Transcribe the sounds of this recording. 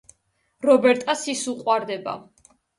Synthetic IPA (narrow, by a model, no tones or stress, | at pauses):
ɾɔbɛɾt̪ʼasisuqʼwaɾd̪ɛba̰